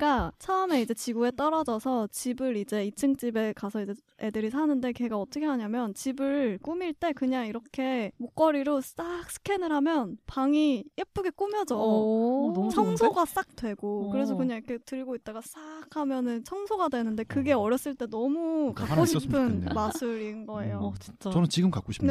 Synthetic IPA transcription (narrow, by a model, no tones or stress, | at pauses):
k͈at͡ɕʰaɯme̞id͡ʑe̞t͡ɕiɡue̞t͈ʌɾʌd͡ʑʌsʰʌt͡ɕibɯɾid͡ʑe̞it͡ɕʰɯŋt͡ɕ͈ibe̞kasʰʌid͡ʑe̞edɯɾisʰanɯnde̞keɡaʌt͈ʌkʰe̞ɦaɲamjʌnt͡ɕibɯɭk͈umiɭt͈e̞kɯɲaŋiɾʌkʰe̞mok͈̚ʌɾiɾos͈ak̚s͈ɯ̥kʰenɯɾɦamjʌnpaŋiʔep͈uɡe̞k͈umjʌd͡ʑo | t͡ɕʰʌŋsʰoɡas͈ak̚t͈we̞ɡokkɯɾe̞s̬ʰʌkɯɲaŋɾʌkʰe̞tɯɭɡoit̚t͈aɡas͈akʰamjʌnɯnt͡ɕʰʌŋsʰoɡadwenɯnde̞kɯɡe̞ʌɾjʌs͈ɯɭt͈e̞nʌmukakkoɕʰippʰɯnmasʰɯɾinɡʌe̞̰jot͡ɕi̥t͡ɕat͡ɕʌnɯnt͡ɕiɡɯmkak͈oɕʰi̥ne